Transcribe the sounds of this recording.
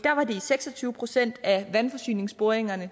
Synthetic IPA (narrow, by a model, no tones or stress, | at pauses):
d̥æɐʋɑ̈d̥e̝iseɡ̥sɒt͡sʰyːʊəpʰʁo̝sen̰d̥æʋænfɒ̽sy̰ːne̝ŋsb̥o̝ɐeŋɐnə